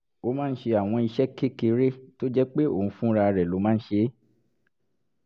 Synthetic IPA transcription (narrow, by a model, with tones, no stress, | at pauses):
o˧˦mãː˦n̩˦ʃe˧a˨w̃ɔ̃˧i˧ʃɛ˦ke˦ke˧ɾe˦to˦d͡ʒɛ˦k͡pe˦o̰˦˨ũ˧˦fũ˦ɾa˧ɾɛ˨lo˨˦mãː˦n̩˦ʃe˧˦